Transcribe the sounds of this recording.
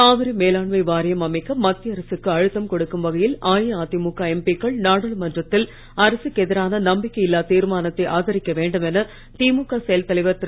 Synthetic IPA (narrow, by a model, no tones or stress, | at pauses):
aːʋɪɾɐmeːlaːɳmɐɪʋaːɾɪjɐmɐmɐɪkːɐmːɐt̪ːɪjɐɾɐsɯkːɯɐɻɯt̪ːɐmkɔɽɯkːɯmʋɐɣɐjɪlaːjɐaːt̪imukːaːɛmpikːɐɭnaːɽɐlmɐndrɐt̪ːɪl | ɐɾɐsɯkːɛðɪɾaːnɐnɐmbɪkːɐjɪlːaːt̪iːɾɯmaːnɐt̪ːɐɪʔaːɣɐɾɪkːɐʋeːɳɖɯmɛnɐ | t̪iːmukːaːsɛjɐlt̪ɐlɐɪʋɐt̪ː